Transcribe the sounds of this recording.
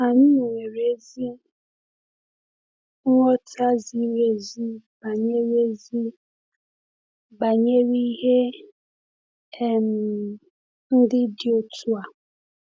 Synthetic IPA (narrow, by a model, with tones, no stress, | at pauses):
a˨ɲɪ˦ne˨ŋe˨ɾe˦zi˦ | ŋʷɔ˦tʰa˦zi˦ɾe˦zi˦ba˨ɲe˦ɾe˦zi˦ | ba˨ɲe˦ɾi˦i˦ɦe˦ | ɛ˦m̩˨ | n̩˦dɪ˦dɪ˦o˦tʰu˦a˨